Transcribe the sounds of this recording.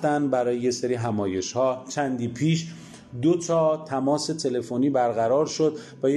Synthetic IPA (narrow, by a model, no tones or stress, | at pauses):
t̪ænd̪bæɾɒːjejeseɾiːɦæmɒːje̞ʃhɒːt͡ʃʰænd̪iːpʰiːʃ | d̪ot̪ʰɒːt̪ʰæmɒːse̞t̪ʰe̞le̞foniːbæɾɣæɾɒːɾʃo̞d̪ | væje